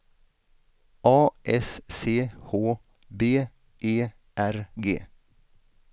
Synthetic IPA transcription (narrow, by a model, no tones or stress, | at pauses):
ʔɑːʔɛsseːhoː | beː | ʔeː | ʔæɾɡḛː